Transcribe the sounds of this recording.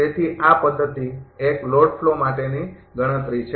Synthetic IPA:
et̪ʰiʔapəd̪ʱːət̪iekloɖflomaʈeniɡəɽ̃ət̪ɾit͡ʃʰ

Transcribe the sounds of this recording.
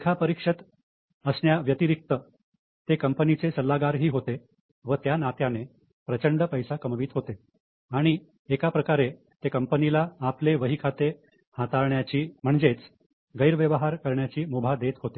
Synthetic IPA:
ekʰapəɾikʂət̪ | əsɳjaʋjət̪iɾik̚t̪ə | t̪ekəmpənit͡sesəlːaɡaɾɦiːɦot̪e | ʋət̪janat̪jane | pɾət͡ɕəɳɖəpəjsakəmʋiːt̪ɦot̪e | aɽ̃iː | kapɾəkaɾe | t̪ekəmpənilaːpleʋəɦikʰat̪e | hat̪aɭɳjat͡ɕiːm̤əɳd͡zet͡s | ɡəjɾʋjəʋəɦaɾkəɾɳjat͡ɕiːmubʱad̪et̪ɦot̪e

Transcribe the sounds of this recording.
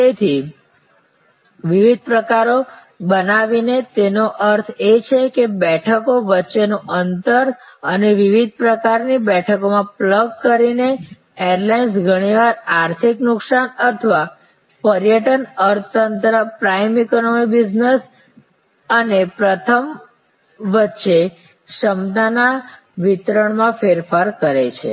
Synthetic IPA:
et̪ʰi | ʋiʋid̪̚pɾəkaɾo | bənaʋinet̪enoʔəɾt̪ʰet͡ʃʰekebɛʈʰəkoʋətːʃenũʔənt̪əɾəneʋiʋid̪̚ʱpɾəkaɾnibɛʈʰəkomãpləɡ̚kəɾine | eəɾlans̬ɡʱəɽ̃iʋaɾaɾt̪ʰiknʊksanət̪ʰəʋa | pəɾjəʈənəɾt̪ənt̪ɾəpɾajmikonomibid͡ʒnəs | ənepɾət̪ʰəm | ʋətːʃe | ʃəmd̪ana | ʋit̪ɾəɳmãfeɾfaɾkəɾet͡ʃʰḛ

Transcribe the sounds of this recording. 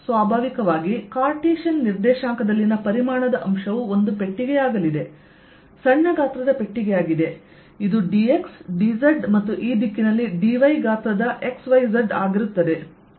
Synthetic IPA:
sʋaːbʱaːʋikɐʋaːɡikaːɾʈiːʃɐnːiɾd̪ɛːʃaːŋkɐd̪ɐlːinɐpɐɾimaːɳɐd̪ɐʔɐmʃɐʋuo̞nd̪upe̞ʈːiɡɛjaːɡɐlid̪e̞ | sɐɳːɐɡaːt̪ɾɐd̪ɐpe̞ʈːiɡɛjaːɡid̪e̞ | id̪uɖie̞ksɖizɐɾɖmɐt̪ːuʔiːd̪ikːinɐlːiɖiʋɐjɡaːt̪ɾɐd̪ɐʔe̞ksʋɐjzɐɾɖa̰ːɡiɾut̪ːɐd̪e̞

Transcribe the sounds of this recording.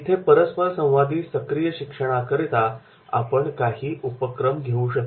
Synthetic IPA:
it̪ʰepəɾəspəɾsə̃w̃ʋad̪iːsəkɾijəɕikʂəɽ̃akəɾit̪a | a̰pəɳkaɦiːʔupəkɾəmɡʱeũɕək̚t

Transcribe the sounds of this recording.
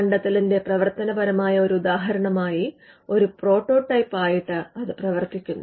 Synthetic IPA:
ɐɳɖɐt̪ːilinde̞prɐʋɐrt̪ɐnɐbɐɾɐmaːjɐo̞ɾuud̪aːɦɐɾɐɳɐmaːji | o̞ɾupro̞ːʈːo̞ːʈːɐjpːaːjiʈːɨɐðɨprɐʋɐrt̪ikʲːunːu

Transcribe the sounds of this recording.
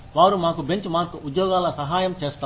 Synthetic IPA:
ʋaːɾumaːkubeɲt͡ʃmaːɾkuʔud̪jɔːɡaːlɐsɐɦaːjɐmt͡ʃeːst̪a

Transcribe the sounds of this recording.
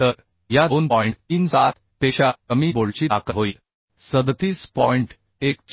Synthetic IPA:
t̪əɾ | jad̪onpɔiɳʈinsat̪ | t̪eɕaəmiːboɭt͡ɕiːakəɦoi | səd̪t̪iːspɔiɳʈ | ekt͡ɕ

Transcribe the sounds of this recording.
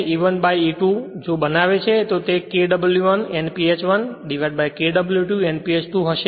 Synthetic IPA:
iʋənbajiʈud͡ʒobənaʋet͡ʃʰet̪ot̪ekeɖəbəljuʋənenpiet͡ʃʋənɖiʋabajkeɖəbəljuʈuenpiet͡ʃʈ̪uɦəʃe

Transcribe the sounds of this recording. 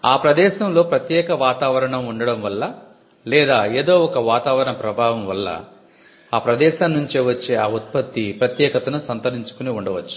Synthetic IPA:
aːpɾɐd̪ɛːʃɐmlo̞ːpɾɐt̪jɛːkɐʋaːt̪aːʋɐɾɐɳɐmuɳɖɐɽɐmʋɐlːɐ | lɛːd̪aːeːd̪o̞ːɔkɐʋaːt̪aːʋɐɾɐɳɐpɾɐbʱaːʋɐmʋɐlːɐ̰ | aːpɾɐd̪ɛːʃaːnːuɲt͡ʃeːʋɐt͡ʃːeːaːut̪̚pɐt̪ːipɾɐt̪jɛːkɐt̪ɐnusɐnt̪ɐɾiɲt͡ʃu̥kuniuɳɖɐʋɐt͡ʃːu̥

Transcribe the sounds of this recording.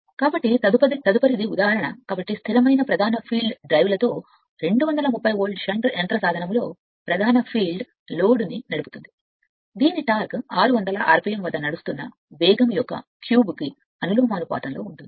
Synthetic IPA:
kaːbɐʈːiɐd̪uɐit̪ɐd̪upɐɾid̪iud̪aːɦɐɾɐɳɐ̰kaːbɐʈːist̪ʰiɾɐmɐjnɐpɾɐd̪ʱaːnɐpʰiːlɖɖɾɐjʋlɐt̪o̞ː | ɾe̞ɳɖuʋɐnd̪ɐlɐmupːɐjoːɭɖʃɐɳʈɾeɳʈɾɐsaːd̪ʱɐnɐmlo̞ː | pɾɐd̪ʱaːnɐpʰiːlɖ | lo̞ːɽninɐɽupu̥t̪und̪i | d̪iːniʈaːɾkaːɾuʋɐnd̪ɐlɐʔa̰ːɾpijɐmʋɐd̪ːɐnɐɽust̪unːɐ̰ | ʋɛːɡɐmjɔkːɐ̰kjuːbki | ɐnuluːmaːnupa̰ːt̪ɐnlo̞ːuɳʈ̪und̪i̥

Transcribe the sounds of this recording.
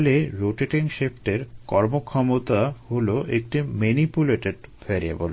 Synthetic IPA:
leɾoʈeʈiŋʃefʈeɾkɔɾmokʰɔmot̪aholoʔek̚ʈimenipuleʈeɖfɛɾia̰bol

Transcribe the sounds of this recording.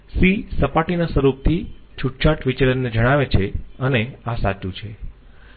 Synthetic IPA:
sisəpaʈinasʋəɾup̚t̪ʰit͡ʃʰuʈt͡ʃʰaʈʋit͡ʃelənːed͡ʒəɽ̃aʋet͡ʃʰeəneasat͡ʃũt͡ʃʰe

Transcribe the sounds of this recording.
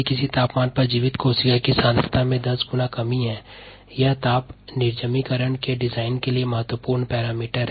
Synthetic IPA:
kɪsit̪aːpmaːnpɐɾd͡ʒiːʋɪt̪koːsɪkakisãːnst̪ʰɪ̥t̪ʰamẽd̪ɐsɡʊnakɐmiɦɛ̃ː | jat̪aːpnɪɾd͡ʒəmikəɾəɳkeɖɪzaːɪnkeliemɐɦət̪wəpuːɾɳpɛːɾaːmiːʈəɾɦɛ

